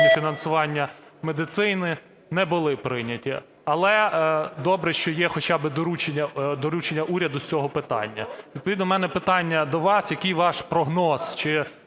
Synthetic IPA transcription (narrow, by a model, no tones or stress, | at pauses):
fʲinɐnsʊʋɑnʲːɐmed̪ɪt̪sɪjnɪ | nɛbʊlˠɪpɾɪnʲɐtʲi | ɐlˠɛd̪ɔbɾɛʃt͡ʃɔjɛxɔt͡ʃɑbɪd̪ɔɾut͡ʃenʲːɐd̪ɔɾut͡ʃenʲːɐʔuɾʲɐd̪ʊst͡sʲɔɦɔpɪt̪ɑ̰nʲːɐ̰ʋʲid̪̚pɔʋid̪nɔmɛnɛpɪt̪ɑnʲːɐd̪ɔʋɑsjɐkɪjʋɑʃpɾɔɦnɔst͡ʃɪ